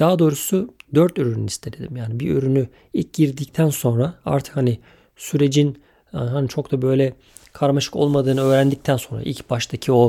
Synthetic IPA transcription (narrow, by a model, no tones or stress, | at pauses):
d̪̥aɦad̪o̞ːɾusud̪øɾt̪øɾynyist̪ʰe̞d̪ed̪ḭmjaːnibiø̰ɾyny | ic̚ɟiɾd̪ict̪ʰænso̞nɾaa̰ɾt̪ʰɯ̥khanɪ | syɾe̞d͡ʒin | ɦanit͡ʃʰo̞kt̪abø̞jlʲɛ | kʰaɾmaʃɯ̥ko̞̰lˠmad̪ɯːnɯø̞ːɾænd̪ic̚t̪ʰænso̞nɾa̰ḭlʲcbaʃt̪ʰacʰio̞